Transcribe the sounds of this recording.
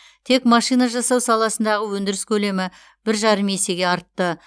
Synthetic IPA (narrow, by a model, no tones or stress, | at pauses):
t̪ʰe̞kmɑʃijnɑʒɑsɑwsɑlˠɑsənd̪ɑʁəwɵnd̪ɪɾɪskʲʰɵle̞mɪ | b̥ɪɾʒɑɾəme̞se̞ɡʲe̞ɑɾt̪ːə